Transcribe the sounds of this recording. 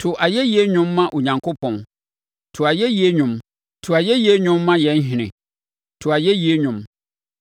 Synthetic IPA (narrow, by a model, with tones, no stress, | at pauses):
tʰʊ˨ʔa˨jɛ˦ji˦e˦ɲʊ̃˦mːã˦ʔo˨ɲã˨ŋkʰo˦pʰɔ̃˨n | tʰʊ˨a˨jɛ˦ji˦e˦ɲʊ̃˦m | tʰʊ˨a˨jɛ˦ji˦e˦ɲᶣʊ̃˦mːã˦jɛ̃˨˦n˦ɦɪ̃˨nɪ̰̃˨ | tʰʊ˨a˨jɛ˦ji˦e˦ɲʊ̃˨˦m